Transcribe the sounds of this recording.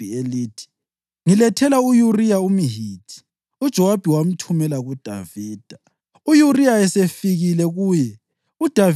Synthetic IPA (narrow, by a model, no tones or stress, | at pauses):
ieliːtʰi̥ | ŋilɛtʰɛlaujurijaumiɦiːd̥ʰʱi̥ | ud̥ʒ̥ʱɔwab̥ʱiwam̩tʰumɛlaɣud̥ʱa̰viːd̥ʱa | ujurijaɛsefiɣilɛɣuːjɛ | ud̥ʱav